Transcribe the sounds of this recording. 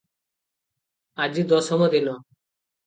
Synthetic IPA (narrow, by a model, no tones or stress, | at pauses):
ad͡ʒid̪ɔsɔmɔd̪inɔ